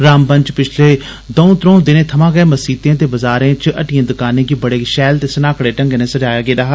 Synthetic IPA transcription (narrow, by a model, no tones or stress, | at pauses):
ɾaːmpəɲt͡ʃpɪt͡ʃʰleː | d̪oːũːt̪ɾõːd̪ɪnẽːt̪ʰəmãːɡeːməsiːt̪ẽːt̪eːbəzaːɾẽːt͡ʃʔəʈijẽːd̪ʊkaːnẽːkiːbəɽeːʃɛːlt̪eːsənaːkɽeːʈə̃ŋɡenẽːsəd͡ʒaːjaːɡeːd̪aːɦ